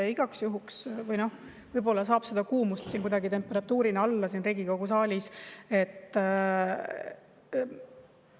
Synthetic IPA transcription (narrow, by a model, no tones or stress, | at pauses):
iɡ̥ɑksjuɦuksvɯjno̞h | vɤjbo̞lːɑs̬ɑːb̥se̞d̪̥ɑkuːmust̪siːnkujd̪̥ɑɡit̪e̞mpːˑe̞ɾɑt̪ːˑuːɾinɑlːɑsiːnreɡ̥iko̞ɡ̥usɑːlʲise̞t̪ː